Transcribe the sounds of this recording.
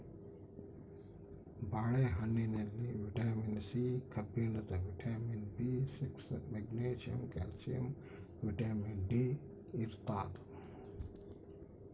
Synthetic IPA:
baːɽeːɦɐnineliʋiʈaːminsiːkʰɐbinɐt̪ɐʋiʈaːminbiːsiksmeɡneːʃijɐ̰mkɛ̰ːlsiɐ̰m | ʋiʈaːminɖiː | iɾt̪aːt̪

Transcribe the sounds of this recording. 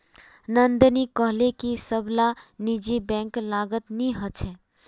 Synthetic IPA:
nənd̪nikəɦlekisəblanid͡ʒibɛ̃ːŋklaːɡət̪niɦət͡ʃʰɛ̃

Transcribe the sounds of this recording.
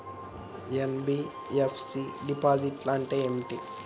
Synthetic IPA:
jenbi | efsiɖipaːziʈlaːɳʈeemʈi

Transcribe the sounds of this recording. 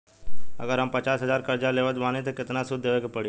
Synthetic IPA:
ə̰ɡəɾɦəmpət͡ʃaːsɦəzaːɾkɐɾd͡ʒaleːʋəd̪ʋãːnet̪ekɪt̪nasʊd̪̚d̪eːʋekepəɽi

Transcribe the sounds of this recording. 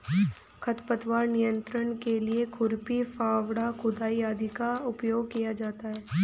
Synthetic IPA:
kʰɐt̪pət̪ʋaːɾnijə̃nt̪ɾənkeliekʰʊɾpifʰaːʋɽakʊd̪aːijaːd̪ikaʊpjoːɡ̚kijad͡ʒaːt̪aɦɛː

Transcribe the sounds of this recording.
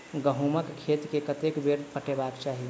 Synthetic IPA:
ɡəɦuməkkʰːet̪kekət̪ekbeɾpəʈebaːkt͡ʃaːɦi

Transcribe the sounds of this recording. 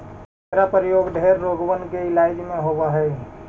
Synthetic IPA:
eɾapəɾjoːɡɖʱeːɾːoːɡʋənkeɪlaːɪd͡ʒmẽɦobaɦɛː

